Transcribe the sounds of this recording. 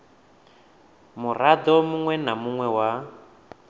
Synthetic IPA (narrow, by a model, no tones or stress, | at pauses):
murad̪ɔmuŋwɛnamuŋwɛwa